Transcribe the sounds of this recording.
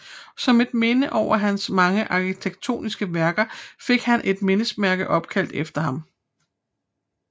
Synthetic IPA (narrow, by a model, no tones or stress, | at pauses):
sɒ̽me̝d̥̚me̝nəʔɒʊ̰ɐɦænsmɑ̈ŋəʔɑ̈kʰit͡sʰeɡ̥̚t͡sʰo̝̰ːnisɡ̥əʋæɐɡ̥ɐfe̝ɡ̥hænʔe̝d̥me̝nəsmæɐɡ̥əʔɒ̽b̥kʰæl̰d̥efd̥ɐɦɑ̈m